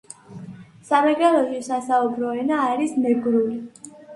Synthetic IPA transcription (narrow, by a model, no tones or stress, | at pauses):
samɛɡalɔʃisasaubɾɔɛnaːɾismɛɡɾuli